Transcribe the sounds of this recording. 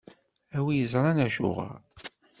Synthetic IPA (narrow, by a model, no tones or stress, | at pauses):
æwijəzɾˤɑnæʃʊ̰ʁa̰